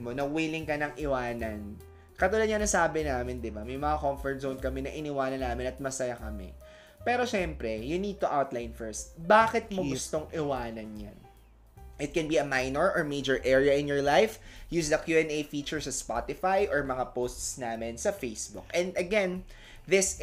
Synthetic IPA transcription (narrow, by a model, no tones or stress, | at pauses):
monɐwiːlɪŋkɐnɐŋʔɪwaːnɐn | kɐt̪ʊlɐd̪̚ɲɐŋnɐsaːbɪnaːmɪnd̪ɪbamɐjmɐŋakoɱfɛɹt̪zownkɐmɛnɐʔɪnɪwaːnɐnːaːmɪnɐt̪̚mɐsɐjakɐmɛ̰ | pɛːɾo̞ʃɛmpɾɛjʊnid̪̚t̪ʊʔawt̪lajnfɛɹst̪̚baːkɪt̪̚mɐɡʊst̪o̞ŋʔɪwaːnɐnja̰n | ʔɪt̪̚kɛnbiɐmajnɔɹʔɔɹmejd͡ʒɔɹʔɛɹiɐʔɪ̃njɔɹlajfjuːsd̪ɐkjuɛnejfiːt͡ʃɛɹsɐspa̰t̪ɪfajʔɔɹmɐŋapost̪snaːmɪnsɐfejsbʊkʔɛ̃nd̪ɐɡɛn | ðɪs